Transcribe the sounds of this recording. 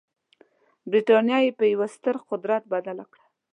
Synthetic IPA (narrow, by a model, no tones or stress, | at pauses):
bɾiʈɑnjɑjepəjawast̪əɾqʊd̪ɾat̪̚bad̪alakɽa